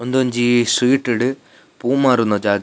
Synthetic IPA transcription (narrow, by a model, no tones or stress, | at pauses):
ond̪uɐɲd͡ʑiswiːʈːiɽɨ | puːmːaːɾunːɐd͡ʑaːɡ